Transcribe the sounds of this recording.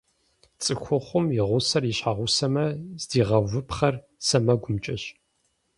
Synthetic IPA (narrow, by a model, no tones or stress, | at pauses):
t͡sʼɨxʷʊχʷʊmjɪʁʷʊsɐrjiɕħaʁʷʊsɐmɐz̥diːʁɐvʷɨpχɐr | sɐmɐɡʷʊmt͡ʃʼɐɕ